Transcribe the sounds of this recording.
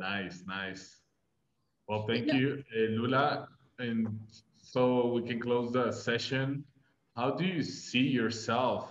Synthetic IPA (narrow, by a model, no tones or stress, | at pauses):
naɪsnaɪs | wɛlˠθæ̃ŋkjʉɛlula | ɨ̃n | soʊwikɨ̃nkl̥oʊzðəsɛʃɨ̃n | haʊdɨjɨsijə˞sɛlˠf